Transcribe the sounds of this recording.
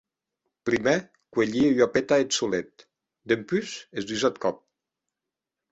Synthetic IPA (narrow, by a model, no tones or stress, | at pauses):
pɾime | kweʎieɥapet̪aet̪sulet̪̚ | d̪empyzezd̪yzat̪̚kɔp̚